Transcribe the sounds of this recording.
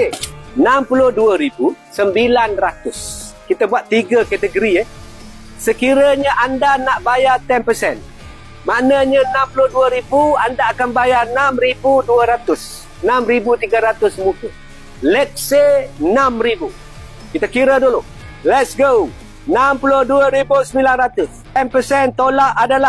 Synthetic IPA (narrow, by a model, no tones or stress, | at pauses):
enampulʊhduəɾibu | səmbilanrat̪ʊs | kit̪əbuaʔ̪iɡəket̪əɡəɾiə | səkiɾəɲəʔandanaʔbajat̪ɛnpəsɛn | manəɲənampulʊhduəɾibuandaːkanbajanamɾibuduəɾat̪ʊs | namɾibut̪iɡəɾat̪ʊsmuku | lɛk̚seənamɾibu | kit̪akiɾədulo | lɛt̪sɡow | nampulʊduəɾibusəmilanrat̪ʊst̪ɛnpəsɛnt̪olaʔadala